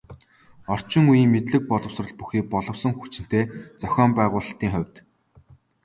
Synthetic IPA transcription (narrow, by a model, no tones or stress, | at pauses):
ɔr̥t͡ɕɪ̆ŋujiːŋmet̪ɮɘ̆k̚pɔɮɞ̆wsrə̆ɮpuxiːk̚pɔɮɞ̆wsɞ̆ŋxut͡ɕɪ̆n̥t̪eːt͡sœxʲɔːmpæːʁʊːɮ̆ɬt̪iːŋχœwʲt̪